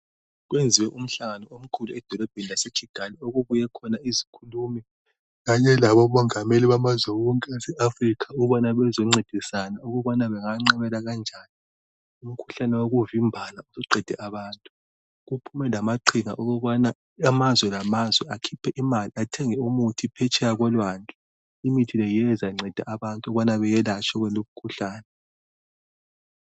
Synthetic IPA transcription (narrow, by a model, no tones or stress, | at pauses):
ɣwend͡zʱiwɛʔum̩ɬaŋanɔom̩kʰuluɛd̥ʱɔlɔb̥ʱenilaset͡ʃʰʼiɡ̥ʱalioɣuβujɛkʰɔnaizikʰuluːmɛ | ɣaɲɛlaβɔmɔŋameliβamazwɛɔŋkʼɛasɛʔafrikʰauβanaβɛzɔŋ͡ǀed̥ʱisanauɣuβanaβɛŋaŋ͡ǀɛβɛlaɣand͡ʒʱaːni | um̩kʰu̥ɬanɛwoɣuvimbʱanausuǀɛd̥ʱɛʔaβaːntʼu | ɣupʰumɛlamaǃʰiŋa̰ʔoɣɔβana | amazwɛlamazwɛakʰipʰɛʔimaliatʰɛŋɛumutʰipʰɛt͡ʃʼɛjaɣwɛlwaːnd͡ɮʼa | imitʰilɛjɛzaiŋ͡ǀɛd̥ʱa̰ʔaβantʼuɔβanaβɛjɛlat͡ʃʰɔɣwɛloβukʰuɬaːnɛ